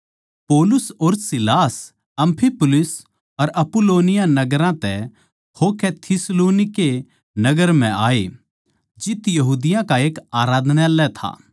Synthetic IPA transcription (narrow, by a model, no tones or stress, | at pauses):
poːlʊsoːɾsɪlaːs | ɐ̃mpʰipʊlɪs | ɐɾɐpʊloːnɪjanɐɡəɾãt̪ɛ | hokɛt̪ʰɪsloːnɪke | nɐɡəɾm̤ɛ̃ʔaːe | d͡ʒɪt̪jɐɦuːd̪ɪjãkaeːkaːɾaːd̪nalɛt̪ʰa̰ː